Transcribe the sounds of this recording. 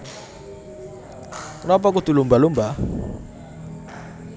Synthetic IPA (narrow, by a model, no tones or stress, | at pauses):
nɔp̬ɔk̬ut̪ulumbalumba